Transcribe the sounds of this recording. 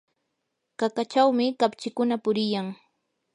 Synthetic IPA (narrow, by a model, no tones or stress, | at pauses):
kakat͡ʃawmɪkapt͡ʃɪkʊnapʊɾɪjaŋ